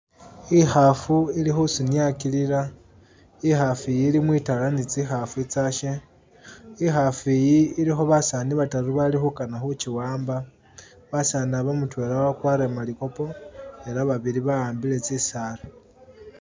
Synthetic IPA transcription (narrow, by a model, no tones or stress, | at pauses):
ixafuilixusuniakiliɾa | ixafijilimwiːtalanit͡sixafuit͡saʃe | ixafijiːlixo̞βasaːniβataɾuβalixukanaxut͡ʃiwaːmba | βasaniaβomutwe̞lawakwaɾe̞maliko̞po̞e̞laβaβiɾiβaaːmbile̞t͡sisaːla